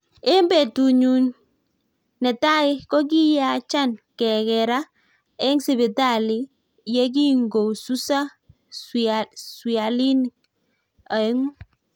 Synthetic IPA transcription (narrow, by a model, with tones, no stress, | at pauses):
e˦mbe˨tu˨ɲu˨nː | ɛ˨ta˦ɪ˦kɔ˦k̬i˦ja˦t͡ʃa˦˨nkɛ˨kɛ˨ɾa˦ | ɛ˦ŋsi˨bɪ˨ta˦˨lɪ˦ | jɛ˦k̬i˦ŋɡo˨su˦sa˦ | swi˨a˨li˦ni˨ | a˨e˦ŋu˦